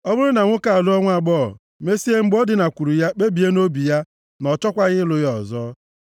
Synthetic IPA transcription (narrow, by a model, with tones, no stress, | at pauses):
ɔ˦bʊ˦ɾʊ˦na˨ŋʷʊ˦ka˨a˨lʊ˦ɔ˦ŋʷ˦a˨ɡ͡bɔ̰˦˨ | me˦si˦e˦ŋ͡m̩˨ɡ͡bo˦dɪ˨na˨kʷu˨ɾu˨ja˦k͡pe˦bi˨e˦no˦bi˨ja˦ | nɔ˨t͡ʃɔ˦kʷa˦ɣɪ˦lʊ˦jɔ˨zɔː˦